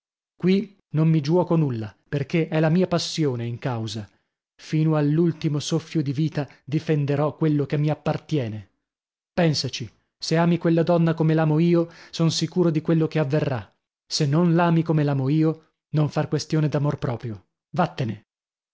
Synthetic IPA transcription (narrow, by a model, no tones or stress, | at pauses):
kwi | nommid͡ʒuwɔːkonulːaperkeʔɛlamiːapasːjoːneiŋkawza | fiːnoalːult̪imosofːjod̪iviːt̪ad̪ifend̪eɾɔkːwelːokemːiapːart̪jɛːne | pɛnsat͡ʃi | seaːmikwelːad̪ɔnːakomelaːmoiːosonsikuːɾod̪ikwelːokeavːerːa | senːonlaːmikomelaːmoiːo | noɱfarkwest̪joːned̪amorpɾɔːpɾjo | vat̪ːene